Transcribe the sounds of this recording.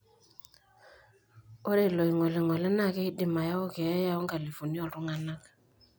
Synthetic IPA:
ɔ˦ɾe˦˨lɔ˨i˨ŋɔ˨lɪ˨ŋɔ˨lɛ˦na˦˨ke˦i˦dɪ˨ma˨ja˦ɔ˦ke˨ɛ˦ja˦ɔ˦ŋɡa˨li˨fu˨ni˦ɔ˨tʊ˦ŋa˨na˦k

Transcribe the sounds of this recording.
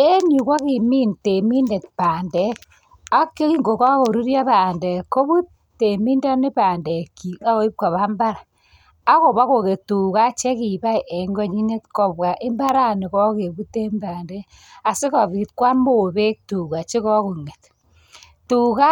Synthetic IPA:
e˦ɲu˨kwa˦ki˨mi˦nte˨mi˦nde˨tpaː˨ndɛ˦k | a˦ke˦ki˦ŋɡo˨ka˦ko˨ɾu˦ɾja˦βaː˨ndɛ˨ko˦βu˦ | te˨mi˦nda˦ni˦paː˨ndɛ˨ki˨a˦o˨i˦p̚ka˨βa˦mba˦ɾa˨ | a˦ko˨βa˦ko˨ke˨tu˨ka˦t͡ʃɛ˦ki˨ba˦i˨ʔe˨ŋɡɔ˦ɲi˦ne˦tkɔ˨bwa˨ʔe˦mba˦ɾa˦ni˨kɔ˦ke˨βu˦te˦mbaː˨ndɛ˦ | a˨sɪ˦kɔ˨βi˨tkwa˦mo˨βe˦k̚tu˨ka˨t͡ʃe˦kɔ˦ku˨ŋe˨t | tu˨ka˦

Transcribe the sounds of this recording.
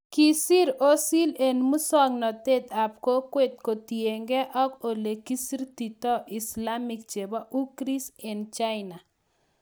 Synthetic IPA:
ki˦si˦ɾo˦si˦le˨nmu˦sɔ˦ŋnɔ˨t̪e˦t̪a˨p̚ko˦kwe˦˨t̪̚ko˨t̪je˨ŋɡɛ˦ʔɔ˦ko˨le˨ki˦si˦ɾt̪i˨tɔ˦ʔɪ˨sla˦mɪ˦k̚t͡ʃe˨ba˦ʔu˦kɾi˦sɛ˨nt͡ʃa˦ɪna˨

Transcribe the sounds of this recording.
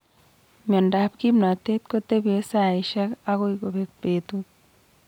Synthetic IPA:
mɔ˨nda˨p̚ki˦mna˨t̪e˦t̪̚ko˦t̪e˦be˦sa˨iʃɛ˦ka˦ko˦iko˨be˨k̚pet̪u

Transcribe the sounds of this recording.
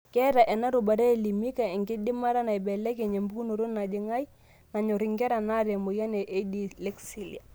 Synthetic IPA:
kɛ˦ɾa˨ʔɛ˨na˦ɾu˨ba˨ɾɛ˦˨li˨mi˦ka˨ɛ˨ŋɡɪ˦dɪ˦ma˦ɾa˦na˨i˨bɛ˨lɛ˦ke˨ɲe˨mbu˦ku˦no˨ɾo˦na˨d͡ʒɪ˦ŋa˦j | na˨ɲɔ˨ɾɪ˦ŋɡɛ˦ɾa˨na˦ɾɛ˨mo˨ja˦nɛ˨ʔe˦di˦lɛ˦ksi˨lḭ˨a˨

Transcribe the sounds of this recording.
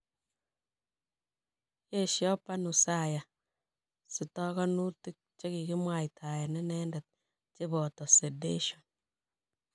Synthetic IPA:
je˦˨ʃjɔ˦pa˦nu˨sa˦˨ja˨ | sɪ˨tɔ˦kɔ˦nu˦ti˦k̚t͡ʃe˦ki˨ki˦mwa˨jtʰa˨ja˨nɛ˦nɛ˦ndɛ˨t̚ | t͡ʃe˦bɔ˨tɔ˨se˨dḛ˦ʃo˨n

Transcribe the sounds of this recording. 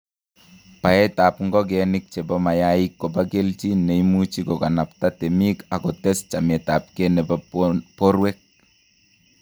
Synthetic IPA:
pa˨ɛ˦ta˨pŋɡɔ˦k̬ɛnɪk̚t͡ʃe˨bɔ˦ma˨jaikːo˨pake˦lt͡ʃi˦ne˨imu˦t͡ʃi˦kɔ˨ka˨na˨pta˦tɛ˨mi˦ka˨kɔ˨tɛ˦st͡ʃa˨mɛ˨ta˨p̚kɛnɛ˨papɔ˦ɾwɛk̚

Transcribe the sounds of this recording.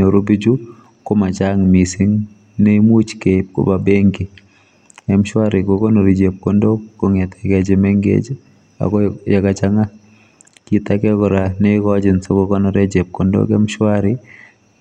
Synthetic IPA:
o˨ɾo˦bi˦d͡ʒu˦ | ko˦ma˨t͡ʃa˦ŋmi˨si˦ŋ | ne˦i˦mu˦t͡ʃke˨p̚ko̰˦ba˨be˦ŋɡi˨ | ɛ˦mʃwa˦ɾɪ˨ko˨ko˦no˨ɾi˨d͡ʒe˨p̚ko˨ndo˦kko˦ŋɛ˨t̪ʰɛ̥˨ɡɛ˦d͡ʒe˨me˦ŋɡḛ˦d͡ʒ | a̰˨kɔ˦ja˨ka˨t͡ʃa˦ŋa˦ | ki˨t̪a˦kɛ˦kɔ˨ɾa˨ne˦kɔ˦d͡ʒɪ˨nso˦ko˦kɔ˦nɔɾɛ˦d͡ʒe˨p̚ko˨ndo̰kɛ˦mʃwaɾɪ

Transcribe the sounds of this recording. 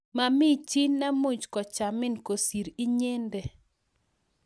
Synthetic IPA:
ma˨mɪ˦t͡ʃi˦nna˦mu˦d͡ʒkɔ˨t͡ʃa˨mɪ˦nko˨si˨ɾi˦ɲe˦ndɛ˨

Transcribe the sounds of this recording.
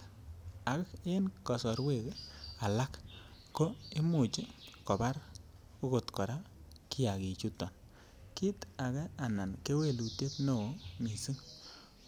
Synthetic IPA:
a˨kke˦nkɔ˨sɔ˨ɾwe˦˨ka˨la˦k | ko˦ɪ˦mʊ˨t͡ʃi˦kɔ˨ba˦ɾ | u˦ko˨tkɔ˨ɾa˦ki˦ja˨ki˨t͡ʃu˦tːɔ˨n | ki˦ta˨kɛ˦a˨na˨nke˦we˦˨lu˨te˦tno˨o˦mi˨si˦ŋ

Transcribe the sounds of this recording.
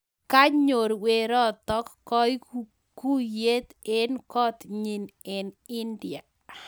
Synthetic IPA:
ka˦ɲo˨ɾwe˨ɾɔ˦t̪ɔ˦kːɔ˦j | ku˦je˦t̪e˦nkɔ˦t̪ɲi˨nɛ˨nɪ˦ndɪ˨a˨

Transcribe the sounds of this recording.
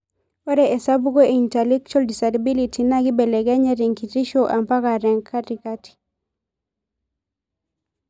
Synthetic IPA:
wɔ˦ɾɛʔɛ˨sa˦bu˦ɡo˦e˨intɛlɛ˦k̚t͡ʃa˨ldi˨saɾabi˦litʰina˦ɡi˦bɛ˨lɛ˨ɡɛ˦ɲɛ˦ɾi˨ŋkiti˦ʃoʔa˨mpa˦ka˨ɾɛ˨ŋkʰːatikati̥

